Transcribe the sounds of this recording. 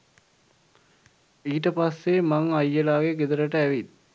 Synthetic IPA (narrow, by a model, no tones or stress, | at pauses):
iːʈəpasːemaŋajːəlaːɡeɡed̪əɾəʈəæʋit̪